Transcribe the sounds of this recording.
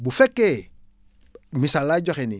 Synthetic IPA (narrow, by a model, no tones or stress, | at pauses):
bufɛkːe | misalːaɟoxeni